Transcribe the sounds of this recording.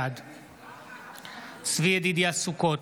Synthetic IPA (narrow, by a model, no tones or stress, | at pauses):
ad̪ | svied̪id̪jasukot